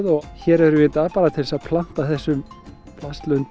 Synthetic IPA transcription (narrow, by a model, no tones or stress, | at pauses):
ðɔɣçɛːɾɛɾʏvɪɪnt̪aːðpaːɾat̪ʰɪlsaðpʰlan̥t̪aθɛsːʏm | pʰlast̪lœnt̪